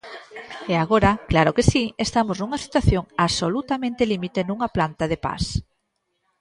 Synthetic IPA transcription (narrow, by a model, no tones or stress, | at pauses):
eaɣoɾɐklaɾʊkesiest̪amoznuŋɐsi̥t̪waθjoŋaβsolut̪amẽnt̪elimit̪enuŋaplant̪aðepa̰s